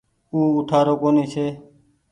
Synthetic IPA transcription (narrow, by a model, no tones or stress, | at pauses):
uːʊʈʰaːɾoːkoːniːsʰeː